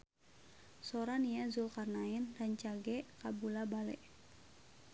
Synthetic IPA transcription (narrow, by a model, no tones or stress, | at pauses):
sɔɾanijazulkarnaɛnraɲt͡ʃaɡɛkabulabalɛʔ